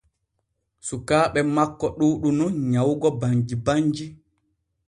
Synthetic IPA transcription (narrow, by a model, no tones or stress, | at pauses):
sukaːɓɛmakːɔɗuːɗununɲawɡɔbaɲd͡ʒibaɲd͡ʒi